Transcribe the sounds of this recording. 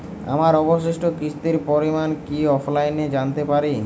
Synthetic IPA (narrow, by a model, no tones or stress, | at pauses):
a̰maɾɔboʃeʃʈokɾiʃt̪iɾpɔɾimankiɔfʰlajned͡ʑant̪epaɾi